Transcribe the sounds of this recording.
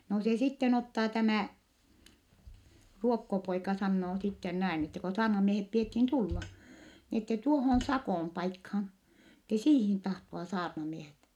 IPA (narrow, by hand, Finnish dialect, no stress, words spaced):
no se sitːen otːɑː tæmæˑ ruokːopoikɑ sɑnːoː sitːen næin etːe ko sɑːrnɑmiehep piethin tulːɑ ni etːe tuohon̞ sɑkoˑm pɑikhɑn̞ etːe siːhin tɑhtoɑ sɑːrnɑmiehet